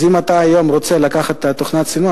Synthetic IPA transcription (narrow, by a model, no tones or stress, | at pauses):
zimat̪aːjo̞mʁot͡selakaχatːat̪ːoχnat͡sinu